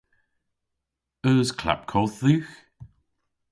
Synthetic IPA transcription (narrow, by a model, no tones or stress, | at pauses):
œːzkʰla̰p̚kʰɔθðʉːx